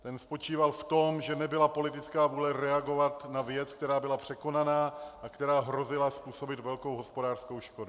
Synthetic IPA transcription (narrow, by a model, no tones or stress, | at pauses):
t̪ɛnspo̞t͡ʃiːvalft̪o̞mʒɛnɛbɪlapo̞lɪt̪ɪt͡skaːvuːlɛɾɛaɡo̞vat̪navjɛt͡skt̪ɛɾaːbɪlapr̝̥ɛko̞nanaːʔakt̪ɛɾaːɦɾo̞zɪlaspuːso̞bɪt̪vɛlko̞wɦo̞spo̞daːr̥sko̞wʃko̞du